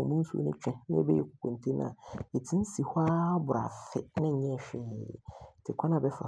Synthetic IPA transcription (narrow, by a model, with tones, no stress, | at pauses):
ɔ˨mũ˦n̩˦su˦o̰˨nʊ̃˦t͡ɕᶣɛ̃˦nɪ̃˦ɛ̰˦bɛ˦jɛ˨kʰʊ̥˨kʰõ˨n˨tʰe˦nã̰˨e˨tʰĩ˦n̩˦si˨ha˦bʊ˨a̰˨fɪ˨nɪ̃˦˨ɲɛ̃˦˨ɕᶣɛ˨tʰɪ˨kʷʰã˦nã˨bɛ˦fa̰˨